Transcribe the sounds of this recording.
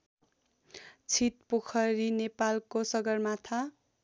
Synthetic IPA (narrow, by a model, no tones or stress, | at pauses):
t͡sʰit̪̚pokʰʌɾinepalkosʌɡʌrmat̪ʰa